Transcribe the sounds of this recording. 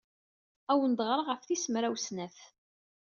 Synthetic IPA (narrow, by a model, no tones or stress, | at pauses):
æwənd̪ʁɾˤʁəfθisəmɾæwsnæθ